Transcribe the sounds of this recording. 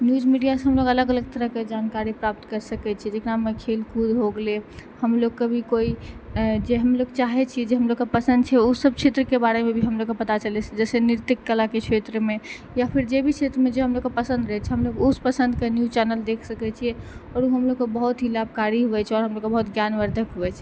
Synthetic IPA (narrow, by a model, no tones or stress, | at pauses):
njud͡ʒmiɖijasɦəmloɡələɡələɡ̚t̪əɾəɦked͡ʒankaɾipɾap̚t̪kəɾsəkɛt͡ʃʰɛɛd͡ʒekɾamekʰelkʰud̪ɦoɡlehəmloɡkːebʱikoi | d͡ʒeɦəmloɡt͡ʃaɦɛt͡ʃʰiɛd͡ʒeɦəmloɡkːepəsə̃nd̪̚t͡ʃʰɛusəb̚t͡ʃʰet̪ɾəkebaɾemẽbʱiɦəmloɡkːepət̪at͡ʃəlɛt͡ʃʰɛd͡ʒɛseniɾt̪ikːəlaket͡ʃʰet̪ɾəme | japʰiɾd͡ʒebʱit͡ʃʰet̪ɾəmed͡ʒeɦəmloɡkepəsə̃nd̪ɾəɦɛt͡ʃʰɛɦəmloɡuspəsə̃nd̪kenjut͡ʃɛnəld̪ekʰsəkɛt͡ʃʰiɛɔːɾuɦəmloɡkebəɦut̪ɦilab̚ʱkaɾiɦuɛt͡ʃʰɛɔɾɦəmloɡkːebəɦut̪ɡjanʋəɾd̪ʱəkɦuɛt͡ʃʰɛ